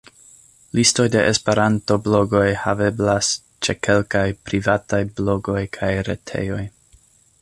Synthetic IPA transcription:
listo̞jde̞ʔespe̞ɾanto̞blo̞ɡo̞jhave̞blas | t͡ʃe̞kʰe̞lkajpɾivatajblo̞ɡo̞jkʰajɾḛtʰe̞̰jo̞j

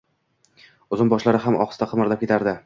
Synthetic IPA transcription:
ʊzɪnbɒʃlaɾɪɦamʔɒ̰qst̪aqʰɨmɪɾlapkʲʰe̞t̪ʰaɾd̪ɪ

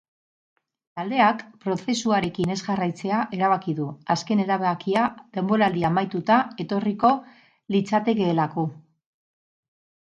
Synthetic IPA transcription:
t̪ald̪e̞akpɾo̞θe̞suaɾe̞kine̞zɣarajt͡se̞aʔe̞ɾaβ̞akiðuaske̞ne̞ɾaβeakiaðe̞mbo̞ɾald̪iaːmajt̪ut̪ae̞t̪o̞riko̞ | lit͡sat̪e̞ke̞ːlako̞

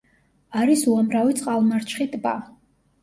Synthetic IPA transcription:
aɾisuamɾavit̪sʼqʼalˠmaɾt͡ʃʰχit̪ʼba̰

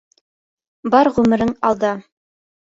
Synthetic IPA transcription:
bɑɾʁʉmɘ̆ɾɘŋɑ̰lˠd̪ɑ

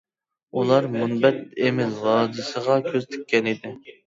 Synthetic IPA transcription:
ulˠɑɾmunbɛt̪̚emɪlwɑːd̪ɨsəʁɑkʲʰøzt̪ʰy̥kʲːɛnɪd̪ɪ

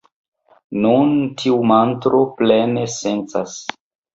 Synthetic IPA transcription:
nuntʰiumantɾʔo̞plene̞se̞nt͡sas

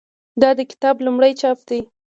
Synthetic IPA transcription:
d̪ɑd̪əkɪ̥t̪ɑblumɽəjt͡ʃɑp̚d̪i

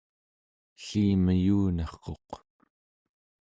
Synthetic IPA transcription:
ɬiːməjuːnɑχko̞q

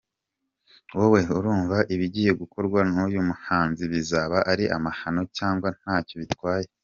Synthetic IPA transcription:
wowe̞uɾuːɱvaʔiβiɟiːjeɡuko̞ɾɡwanujumuhaːnziβizaβaʔaɾiʔa̰mahano̞caːŋɡwan̥aːco̞βitwaːje̞

